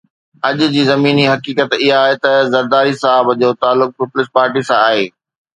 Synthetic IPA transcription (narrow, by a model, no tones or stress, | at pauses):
ɐʄʊd͡ʑiːzɐmiːniɦɐkiːkət̪ɪɦaːɦet̪ɐzɐɾd̪aːɾisɐaɦəbd͡ʑoːt̪aːlːʊk̚pɪplɪspaːɾʈisãaːɦeː